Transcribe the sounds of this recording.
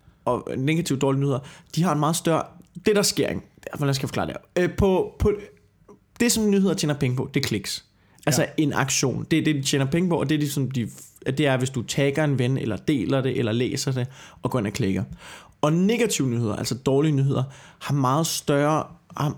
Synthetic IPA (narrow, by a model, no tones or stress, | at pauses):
ɒ̽neɡ̥æt͡sʰiʊd̥ɒːlinyːhḛɐd̥ihɑ̈enmɑ̈ːð̞̩ˠsd̥ɶɐ̰d̥e̝ɾ̥ɑ̈sɡ̥e̝ɐ̰eŋ | lænskʰæjfɒ̥̽klɑ̰̈ːd̥eɐpʰɒ̽pʰɒ̽ | d̥e̝sɒ̽nnːyːheð̞ˠɐt͡ɕʰḛːnɐpʰeŋəpʰɒ̽d̥e̝kʰle̝ɡ̥s | ʔælsɐe̝nɑ̈ɡ̥ɕo̝̰ːnd̥eɐd̥e̝d̥it͡sʰḛːnɐpʰeŋəpɒ̽ʔɒ̽d̥e̝d̥isɒ̽md̥id̥e̝æɐʋe̝sd̥ut͡sʰɛɡ̥ɐe̝nʋenelɐd̥e̝̰ːlɐd̥e̝ʔelɐlḛːsɐd̥e̝ʔɒ̽ɡ̥ɔ̰ːe̝næɐkʰleɡ̥ɐ | ɒ̽ne̝ɡ̥æt͡sʰiʊənyːe̝ð̞̰ɐʔæl̰sɒd̥ɒːliənyːɦe̝ð̞̰ˠɐhɑ̈mɑ̈ːð̞̩ˠsd̥ɶɐhɑ